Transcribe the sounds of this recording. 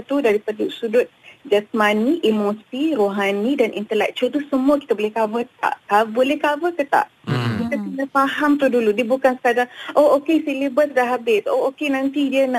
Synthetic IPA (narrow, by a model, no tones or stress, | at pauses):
t̪udaɾipədusudʊt̪̚d͡ʒasmaniʔimosiroɦanidanʔḭnt̪əlɛ̰k̚t͡ʃult̪usəmuəki̥t̪abolɛhkavət̪a̰ʔkabolɛhkavək̪ət̪a̰ʔ | kit̪akənəfaɦamt̪uhduludiəbukansə̥kadaŋʔookesilibəsdaɦabɪso̰okenant̪idiəna